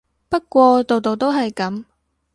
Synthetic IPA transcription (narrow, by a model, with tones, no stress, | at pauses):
pɐ˥t̚kʷɔː˧t̪o˨wt̪o˨wt̪o˥wɦɐ˨jkɐ˨˥m